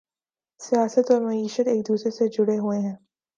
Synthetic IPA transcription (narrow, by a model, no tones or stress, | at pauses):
sijaːsət̪ɔːɾmɐiːʃət̪eːk̚d̪uːsɾesed͡ʒʊɽeɦueɦɛ̃ː